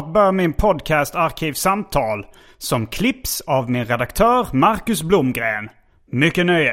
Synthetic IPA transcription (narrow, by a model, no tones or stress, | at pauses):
bœmɪnpʰɔd̪kʰæst̪aɾkʰiːvsamt̪ʰɑːl | sɔmkʰlɪpsavmɪnɾɛd̪akt̪ʰœːɾmaɾkɵsblʊmɡɾeːn | mʏkːənœj